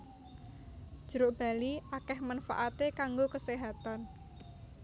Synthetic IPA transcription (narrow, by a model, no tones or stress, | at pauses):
d̥ʒ̥ə̤ɾʊʔb̥a̤liʔakɛhmanfa̰ʔat̪ekaŋɡokəseɦat̪an